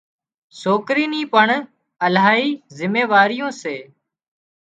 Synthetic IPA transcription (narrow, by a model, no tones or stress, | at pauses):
soːkɾiːniːpəɳ | əlaːiːzɪmeːʋaːɾɪjõːseː